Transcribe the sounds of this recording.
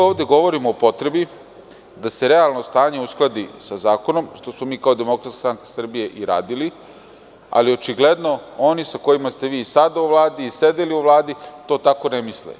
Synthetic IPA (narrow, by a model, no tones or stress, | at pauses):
oːʋd̪e̞ɡo̞ʋo̞ɾimoːpo̞t̪ɾe̞bi | d̪ase̞ɾe̞alˠno̞st̪aːɲe̞usklˠad̪isazaːko̞no̞mʃt̪o̞smomiːkao̞d̪emo̞kɾat̪kḁst̪ɾaŋkḁsr̩bije̞ʔiɾa̰ːd̪ili | a̰liot͡ʃiɡle̞d̪no̞o̞nisako̞jimast̪e̞ʋiːsad̪auʋlˠaːd̪iːsed̪eliuʋlˠaːd̪it̪o̞ːt̪ako̞nemislḛ